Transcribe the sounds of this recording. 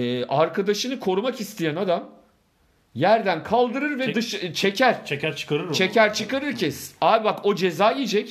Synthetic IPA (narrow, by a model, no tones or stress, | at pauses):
ɛaɾkʰad̪aʃɯnɯkʰo̞ɾumakist̪ʰijænad̪am | jæɾd̪ænkʰalˠd̪ɯɾɯɾvɛd̪ɯʃt͡ʃʰecʰæɾ̥t͡ʃʰecæɾt͡ʃʰɯ̥kaɾɯɾt͡ʃʰecæɾt͡ʃʰɯkaɾɯɾcʰɛsabako̞d͡ʒe̞zaːijid͡ʒɛc